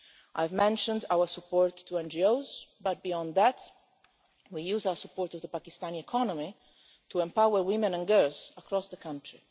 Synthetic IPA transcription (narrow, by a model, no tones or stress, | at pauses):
ʔajvmɛ̃nʃə̃ndawə˞supʰɔɹt̪ʰːuɛ̃nd͡ʒioʊzbat̪̚biɔ̃nd̪ðæt̪ | wijuːzawə˞supːɔːɹt̪ɔvðəpakist̪ãniɛkʰɔnɔmi | tʰuɛ̃mpawəɹwɪmɛ̃nɛ̃nɡɜlz̥əkʰɹɔsðəkʰãntʰɹi